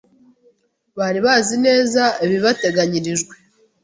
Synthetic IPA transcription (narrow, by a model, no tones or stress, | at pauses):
βaɾiβazine̞ːzaeβiβate̞ɡaɲiɾiʒɡwe̞